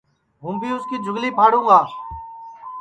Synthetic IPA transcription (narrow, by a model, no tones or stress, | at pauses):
ɦũːbʱiːʊskiːd͡ʒʱʊɡliːpʰaːɽũːŋɡaː